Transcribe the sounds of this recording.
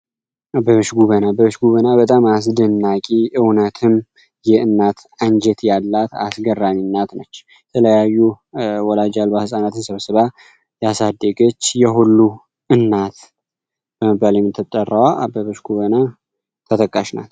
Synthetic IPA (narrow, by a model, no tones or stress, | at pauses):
abəβəʃɡuβənabəβəʃɡuβənabət̪ʼamas̬d̪ənːakʼiʔɨwnət̪ʰɨm | jɛɨnːat̪aɲd͡ʒɛt̪jalːat̪a̰sɡərːaminːat̪nət͡ʃː | jɛt̪ʰələjajːu | wɔlad͡ʒalbahɨsʼanat̪ʰɨnsəβsəβa | jasad̪ːəɡət͡ʃːjɛɦulːu | ʔɨnːat̪ | b̥əmɨbaljɛmːɨt̪ʰːɨt̪ʼːərːəwaʔabəβəʃɡuβəna | t̪ʰət̪ʼəkʼːaʃna̰t̪